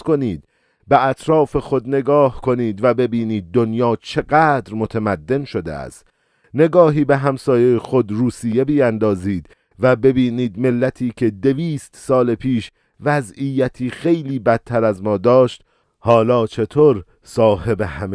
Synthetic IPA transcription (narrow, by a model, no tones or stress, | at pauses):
ko̞niːd̪ | beʔæt̪ʰɾɒːfe̞xo̞d̪ne̞ɡɒːhkʰo̞niːd̪væbe̞biːniːd̪̚ːo̞njɒːt͡ʃʰe̞ɡæːd̪ɾmo̞t̪ʰæmæd̪ːe̞nʃo̞d̪ḛæ̰st̪ | ne̞ɡɒːɦiːbe̞ɦæmsɒːjejexo̞d̪ɾuːsije̞bijænd̪ɒːziːd̪̥ | væbe̞biːniːd̪melːæt̪ʰiːkʰe̞d̪e̞viːst̪sɒːlepʰiːʃ | væzijæt̪ʰiːxe̞jliːbæt̪̚t̪ʰːæɾæzmɒːd̪ɒːʃt̪ | hɒːlɒːt͡ʃʰe̞t̪ʰoːɾ | sɒːhe̞behæm